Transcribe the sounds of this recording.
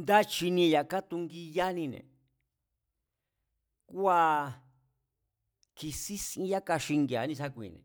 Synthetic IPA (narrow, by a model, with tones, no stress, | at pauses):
nd̪a˦t͡ʃi˧nĩ˧ja˨ka˦t̪u˧ŋɡi˧ja˦nĩ˧nḛ̃˨ | ku˦a˧ | kʰi˧si˦sĩ˧ja˦ka˧ʃi˧ŋɡe˧˨a̰˨˦nĩ˧sa˦kʷḭ̃˨nḛ̃˨